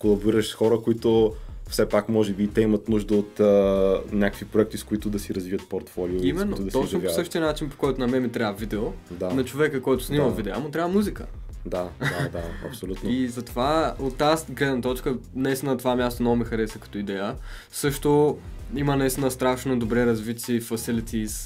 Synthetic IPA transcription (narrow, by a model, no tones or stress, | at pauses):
kolˠɐbiɾəʃsxɔɾəkʊit̪ʊfsɛpakmɔʒɛbit̪ɛimɐt̪nuʒd̪əot̪ənʲakə̥kvipɾoɛkt̪iskʊit̪ʊd̪ɐsiɾɐzviət̪̚poɾt̪fɔlioimɛnːoʊd̪ɐst̪ɔt͡ʃzovasɤʃt̪iɐnat͡ʃinpo̥kɔjt̪ʊnɐmɛmit̪ɾʲaɐvid̪ɛod̪anɐt͡ʃovɛkəkɔjt̪ʊ̥snimɐvid̪ɛamot̪ɾʲavɐmuzikə̰ | d̪ad̪ad̪aɐ̰psolʲut̪nizɐt̪ovaot̪ːasɡlɛd̪nɐt̪ɔt͡ʃkənɐist̪inət̪ovamʲjast̪onoɡmixɐɾɛsɐkɐ̥t̪ɔid̪ɛjə | sɤʃt̪oimənɐist̪inəst̪ɾaʃnod̪obɾɛɾɐzvit̪ʲɛfɐsilit̪ʰʲis